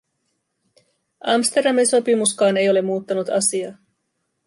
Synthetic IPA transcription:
ɑmst̪e̞rdɑminso̞pimuskɑːne̞jo̞le̞mːuːt̪ːɑnut̪ɑsiɑ

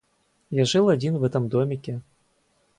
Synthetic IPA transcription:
jaʐɨlˠad͡zʲinvɛt̪ɨmd̪ɔmʲikʲɛ

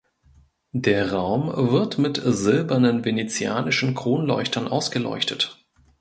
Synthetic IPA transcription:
deːɐʁaʊmvɪɐtmɪtzɪlbɐnənvenet͡sja̰ːnɪʃn̩kʁ̥oːnlɔʏçtɐnʔaʊsɡ̥əlɔ̰ʏçtʰət

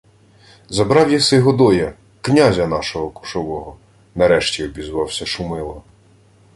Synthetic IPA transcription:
zɐbɾɑwjɐsɪɦɔd̪ɔjɐ | knʲazʲɐnɑʃɔɦɔkʊ̥ʃɔʋɔɦɔ | nɐɾɛʃtʲiɔbʲizʋɑwsʲɐʃʊmɪlˠɔ

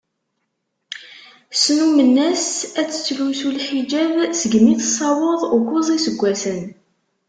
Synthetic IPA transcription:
snumənːæsæt͡sːə̥t͡sːlusulħid͡ʒævsəɡmiθəsˤːɑwəðˤʊkʷozˤisəɡʷːæsən

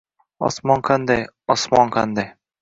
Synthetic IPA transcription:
ɒ̰smɒnqʰand̪ajɒsmɒnqʰand̪aj

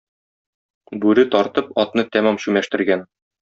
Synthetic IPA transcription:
bʉɾɘt̪ɒɾt̪ɤpɒt̪nɤt̪æmæmɕʉmæʃt̪ɘ̆ɾɡæn

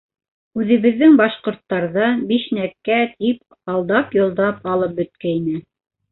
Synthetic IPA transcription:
ʉðɘ̆βɘ̆ðːɘŋbɑʃqŏɾt̪ːɑɾðɑbiʃnækːæt̪ip | ɑlˠd̪ɑpjŏlˠd̪ɑpɑlˠɤp̚bɵ̆t̪̚kæinɘ

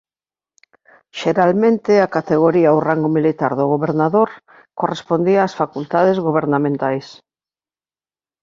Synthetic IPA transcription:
ʃeɾalmẽnt̪eakat̪eɣ̞oɾiawraŋɡomilit̪aɾðoɣoβeɾnaðoɾ | korespond̪iaːsfakult̪að̞ezɣoβ̞eɾnamẽnt̪ajs

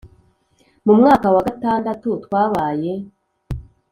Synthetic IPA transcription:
mumŋaːkawaɡataːndatutwaːβaːje̞

